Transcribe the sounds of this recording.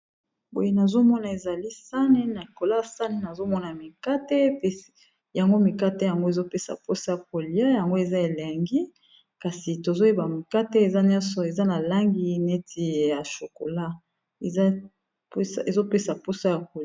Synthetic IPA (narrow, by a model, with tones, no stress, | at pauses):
bo̰˨je˦na˨zo˦mɔ˦na˨e˨za˨li˦sa˦ne˦na˨ko˨la˦a˨sa˦ne˦na˨zo˦mɔ˦na˨mi˨ka˦te˦pe˨ | ja˨ŋɡo˦mi˨ka˦te˦ja˨ŋɡo˦e˨zo˦pe˦sa̰˨po˦sa˦ja˨ko˨li˨a˦ja˨ŋɡo˦e˨za˦e˨le˨ŋɡi˦ | ka˨si˨to˨zo˦e˦ba˨mi˨ka˦te˦e˨za˦nɲ˦ɔ̃˦nsɔ˨e˨za˦na˨la˦ŋɡi˦ne˦tʰi˨ja˨ʃo˨ko̰˨la˦ | e˨za˦ | pe˨zo˦pe˦sa˨po˦sa˦ja˨ko˨